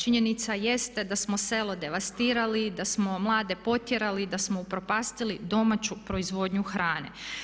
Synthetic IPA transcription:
t͡ʃiɲe̞nit̪saje̞st̪e̞d̪asmose̞lˠo̞d̪e̞ʋast̪iːɾalid̪asmo̞mlˠaːd̪e̞po̞t̪jeɾalid̪asmoupɾo̞paːst̪ilid̪o̞mat͡ɕupɾo̞izʋo̞ːd̪ɲuxɾaːnḛ

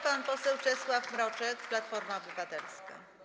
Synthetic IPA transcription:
panpɔsɛwt͡ʂɛswafmɾɔt͡ʂɛkplat̪fɔɾmaɔbɘvat̪ɛlska̰

